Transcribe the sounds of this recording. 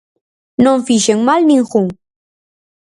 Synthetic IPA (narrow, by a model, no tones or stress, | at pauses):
nomfiʃeŋmalniŋxʊŋ